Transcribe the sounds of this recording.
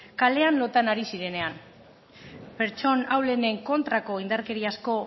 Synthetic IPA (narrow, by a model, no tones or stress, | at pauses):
kale̞anlo̞t̪anaɾisiɾe̞ne̞an | pe̞ɾt͡ʃo̞nawle̞ne̞ŋko̞nt̪ɾako̞ind̪aɾke̞ɾiasko̞